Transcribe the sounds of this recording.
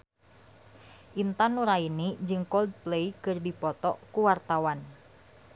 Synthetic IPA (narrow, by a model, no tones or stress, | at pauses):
ʔint̪anuɾainid͡ʒɨŋkɔld̪̚pleikɨrdipɔt̪ɔkuwart̪awan